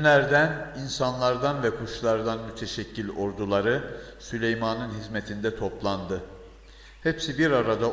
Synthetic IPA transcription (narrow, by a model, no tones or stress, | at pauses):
nʲæɾd̪æninsanlˠaɾd̪anvɛkʰuʃlˠaɾd̪anmyt̪ʰeʃɛcːilʲo̞ɾd̪ulˠaɾɯsylʲejmanɯnɦizmet̪ʰind̪ɛt̪ʰo̞plˠand̪ɯ | hɛpsibiɾaɾad̪a